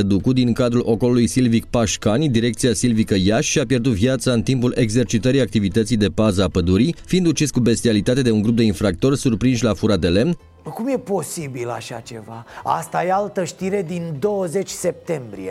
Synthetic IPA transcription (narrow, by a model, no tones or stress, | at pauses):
əd̪ukud̪iŋkad̪ɾulʔo̞ko̞lulujsilvik̚paʃkanʲd̪iɾe̞kt̪siasilvikəjaʃʃiapje̞rd̪ut̪viat̪saɨnt̪impule̞ɡze̞rt͡ʃit̪əɾijak̚t̪ivit̪ət̪sijd̪e̞bazəapəd̪uɾifiind̪ut͡ʃiskube̞st̪ialit̪at̪e̞d̪e̞uŋɡɾup̚d̪e̞infɾak̚t̪o̞rsurpɾinʃlafuɾad̪e̞le̞mn | kumje̞po̞sibila̰ʃat͡ʃe̞vaa̰st̪ajealt̪əʃt̪iɾe̞d̪ind̪o̞wəze̞t͡ʃʲse̞p̚t̪e̞mbɾḭḛ